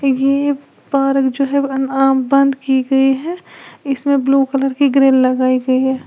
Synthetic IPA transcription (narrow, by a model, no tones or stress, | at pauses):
je | baːɾəkd͡ʒoːɦɛɐnaːmbɐ̃nd̪kiɡɐiɦɛɪsmẽbluːkələɾkiɡɾeːlːɐɡaːiɡɐiɦɛː